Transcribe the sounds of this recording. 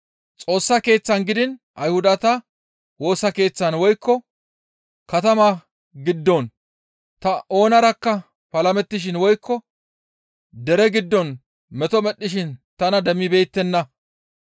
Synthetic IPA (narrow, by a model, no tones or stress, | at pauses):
t͡sʼo̞ːsːɐke̞ːt͡sːɐnɡɪd̪ɪnʔɐjhʊd̪ɐt̪ɐ | wo̞ːsɐke̞ːt͡sːɐnwɔjkːɔ | kɐt̪ɐmaː | ɡɪd̪ːɔn | t̪ɐʔo̞ːnɐɾɐkːɐ | pɐlɐmɛt̪ːɪʃ̬ɪnwɔjkʰːɔ | d̪ɛɾɛɡɪd̪ːɔn | mɛt̪ɔmɛɗːɪʃɪnt̪ɐnɐd̪ɛmːɪbe̞ːt̪ːɛnːɐ